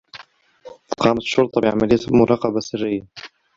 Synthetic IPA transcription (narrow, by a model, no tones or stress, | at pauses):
t̪ɑ̥qɑːmat̪ʃːʊɾt̪ˤɑbɪʕa̰malɪjːat̪mʊɾˤɑːqɑbasɪrːɪjːa